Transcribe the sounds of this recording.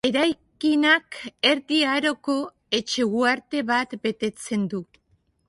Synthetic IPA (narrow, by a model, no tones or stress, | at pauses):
e̞ɾajkinake̞ɾðiaɾo̞ko̞ | e̞t͡ʃe̞ɣuaɾt̪e̞βat̪be̞t̪e̞t͡se̞nd̪u